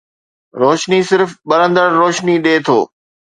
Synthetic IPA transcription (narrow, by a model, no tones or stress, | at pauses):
ɾoːʃnisɪɾfɓɐɾə̃nd̪əɾːoːʃniɗeːt̪ʰo̰ː